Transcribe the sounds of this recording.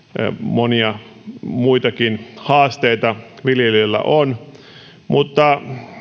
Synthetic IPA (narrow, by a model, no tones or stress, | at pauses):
moniɑ | muit̪ɑkinhɑːst̪eit̪ɑʋiljelilːæ̰ʔon | mut̪ːɑ